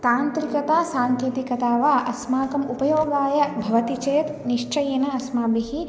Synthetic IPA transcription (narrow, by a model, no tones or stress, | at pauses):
t̪aːnt̪ɾikɐt̪aːsaːŋkeːt̪ikɐt̪aːʋaːʔɐsmaːkɐmupɐjoːɡaːjɐbʱɐʋɐt̪it͡ʃeːt̪niʂt͡ʃɐjɐnɐɐsmaːbiɦi